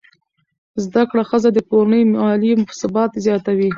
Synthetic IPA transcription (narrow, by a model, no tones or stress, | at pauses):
zd̪akɽaxəzad̪əkoɾanəjmɑlimʊfsɪbɑt̪zjɑt̪awi